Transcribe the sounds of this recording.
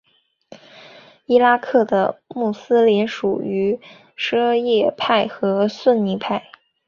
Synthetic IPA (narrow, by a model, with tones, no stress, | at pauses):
i˥la˥kʰɤ˥˩d̪ə˩mu˥˩sɹ̩˥ljɛ˧˥nʂu˨˩y˧˥ | ʂɤ˥jɛ˥˧pʰa˥˩ɪxɤ˧˥swə˥˩nni˧˥pʰa˥˩ɪ